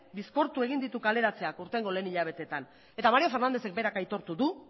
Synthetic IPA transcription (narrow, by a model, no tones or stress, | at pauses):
bisko̞ɾt̪ue̞ɣind̪it̪ukale̞ɾat͡se̞akuɾt̪e̞ŋɡo̞le̞ːniʎaβ̞e̞t̪e̞t̪an | e̞t̪amaɾiofe̞ɾnand̪e̞se̞k̚be̞ɾakajt̪o̞ɾt̪uðu